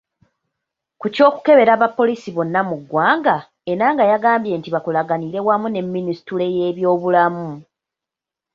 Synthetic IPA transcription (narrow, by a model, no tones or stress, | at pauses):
kuco̞ːku̥ke̞βe̞ɾaβapːo̞liːsiβo̞nːamuɡːwaːŋɡa | e̞ɾaːŋɡajaɡaːmbje̞ːntiβakulaɡaniɾe̞wamune̞mːinisi̥tule̞je̞ːβjo̞ːβulamu